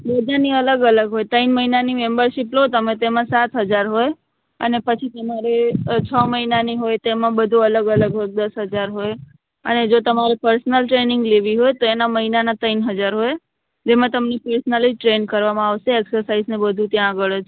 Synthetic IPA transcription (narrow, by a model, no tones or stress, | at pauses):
bəd̪aniələɡələɡɦojt̪əinməɦinanimembəɾʃiplot̪əmet̪emãsat̪ɦəd͡ʒaɾɦoj | ə̰nepət͡ʃʰit̪əmaɾet͡ʃʰəməɦinaniɦojt̪emãbəd̪ʱũələɡələɡɦoj̚d̪əsɦəd͡ʒaɾɦoj | ə̰ned͡ʒot̪əmaɾepəɾsnəlʈɾenɪ̃ŋɡleʋiɦojt̪oenaməɦinanat̪əinɦəd͡ʒaɾɦoj | d͡ʒemãt̪əmnepəɾsnəliʈɾenkəɾʋamãaʋʃeːksəɾsaiznebəd̪ʱũt̪jãːɡəɭt͡ʃʰ